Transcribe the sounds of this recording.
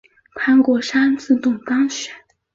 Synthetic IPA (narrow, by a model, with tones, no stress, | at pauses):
kʰa˥nkwɔ˧˥˩ʂa˥nt͡sɹ̩˥˧t̪ʊ˥˩ŋt̪ɑ˥ŋɕɥɛ˨˩˦n